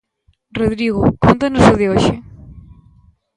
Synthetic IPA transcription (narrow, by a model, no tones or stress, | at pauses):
roðɾiɣʊkont̪anosʊðɪoʃɪ